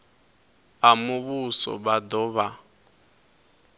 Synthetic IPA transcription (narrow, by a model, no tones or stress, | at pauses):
amuβusɔ̰βad̪ɔβa